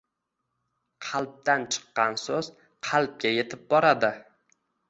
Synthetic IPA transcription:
qʰɑlˠp̚t̪ant͡ʃʰɨ̥qːɑnsoz | qʰɑlˠp̚ɡʲaje̞t̪ʰɪp̚bɒɾad̪ɪ

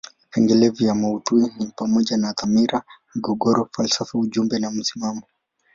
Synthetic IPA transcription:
pɛŋɡɛlɛvijamautuinipamɔʄanaðamiɾamiɡɔɡɔɾɔfalsafauʄumbɛnam̩simamɔ

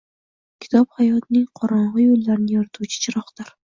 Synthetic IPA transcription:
kʲʰɪ̥t̪ʰɒphajɒt̪nɪŋqʰɒɾɒɴʁɨjolːaɾɪnɪjɒɾat̪ʰut͡ʃʰɪ̥t͡ʃʰɪɾɒχd̪̥ɪɾ

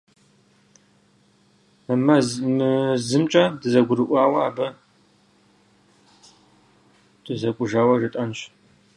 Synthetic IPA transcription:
ɐmɐmɨzɨmt͡ʃʼɐdɨzɐɡʷʊɾɨʔʷaːwɐaːbɐ | d̥ɨzɐkʷʼʊʒaːwɐʒɨtʼɐnɕ

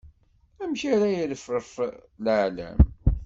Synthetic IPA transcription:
æmçaɾæjələfɾəflʕlæ̰m

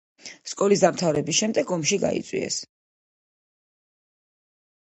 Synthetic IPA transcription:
skʼɔlisd̪amt̪ʰavɾɛbisʃɛmd̪ɛɡɔmʃiɡa̰ḭt̪sʼwḭɛ̰s

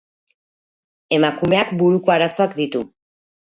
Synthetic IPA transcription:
e̞makume̞akbuɾukoaɾaso̞akd̪it̪u

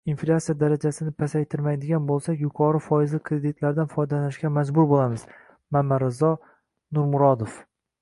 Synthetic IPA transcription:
inflʲat̪sijad̪aɾad͡ʒasɪnɪpʰasajt̪ʰɪɾmajd̪ɪɡʲanbolˠsakʲjʊkʰɒɾɪfɒjɪzlɪkʰɾed̪ɪt̪ʰlaɾd̪anfɒjd̪alanɪʃɡʲamad͡ʒbʊɾbolamɪz̥ | mamːaɾɪzɒ | nʊɾmʊɾɒd̪of

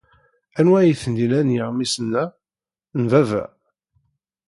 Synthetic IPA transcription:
ænwæjiθənd̪ilænjəʁmisənːæ | nvævæ̰

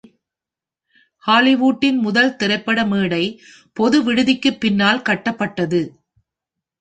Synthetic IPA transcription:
haːlɪʋuːʈːɪnmʊðɐlt̪ɪɾɐɪpːɐɽɐmeːɽɐɪ | pɔðɯʋɪɽɯðɪkːɯpːɪnːaːlkɐʈːɐpːɐʈːɐðɯ

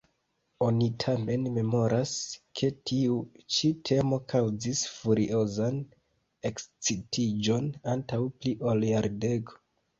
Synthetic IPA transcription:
o̞nitʰame̞nme̞mo̞ɾʔaskʰe̞tʰiut͡ʃitʰe̞mo̞kʰawzisfuɾiʔo̞zan | e̞kst͡sitʰid͡ʒo̞nantawpliʔolaɾde̞ɡo̥

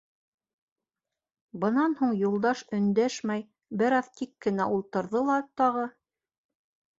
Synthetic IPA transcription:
bɤ̆nɑnhuɴjulˠd̪ɑʃɵ̆nd̪æʃmæj | bɘɾɑðt̪ikːɘ̆næʔulˠt̪ɤ̆ɾðɤlˠɑt̪ɑʁɤ

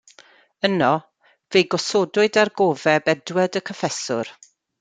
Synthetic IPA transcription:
ənɔ | vejɡɔsoːdʊɨdarɡoːvɛbɛdwədəkʰɔfɛsʊ̰r

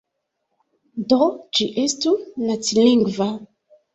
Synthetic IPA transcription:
dod͡ʒiʔestunat͡silĩŋɡva

